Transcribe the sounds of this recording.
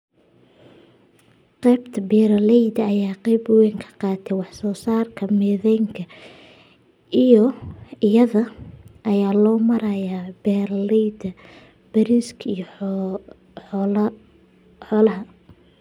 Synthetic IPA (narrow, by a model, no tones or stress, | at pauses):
qɛbt̪ʰɐbɛːɾɐlɛjd̪ɐɐjaːqɛjbʊwɛŋkʰɐ̥qɑːt̪ʰɛwɑħsɔːsaːrkʰɐmɛːðɛjŋkʰɐ | ijɔɪjɐðɐʔɐjaːlɔːmɐɾɐjaːbɛːɾlɛjd̪ɐ | b̥ɐɾiskʰij | ħɔːlɐɦɐ